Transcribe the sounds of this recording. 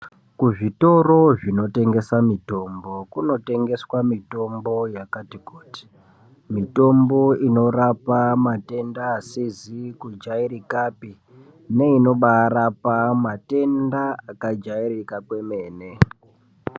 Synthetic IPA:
kuʐito̞ro̞ʐino̞te̞ŋɡe̞samito̞mbo̞kuno̞te̞ŋɡe̞swamito̞mbo̞jakatikoːti̥ | mito̞mbo̞ino̞rapamate̞ndaːsizikud͡ʒaiɾikaːpi | ne̞ino̞ɓaɾapamate̞ndaakad͡ʒaiɾikakwe̞me̞ːne̞

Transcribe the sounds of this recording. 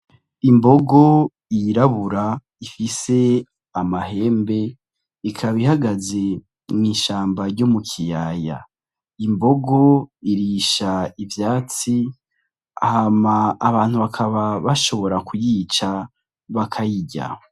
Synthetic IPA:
imbo̞ɡo̞ | iɾaβuɾa | ifise̞ | amaɦe̞ːmbe̞ | ikʰaβihaɡaze̞ | mŋiːʃaːmbaɾɟo̞mukʰijaja̰ | imbo̞ɡo̞iɾiːʃaivjaːt͡si | a̰hamaːβaːn̥huβakʰaβaβaʃo̞βo̞ɾakʰujit͡ʃa | βakʰajiɟa̰

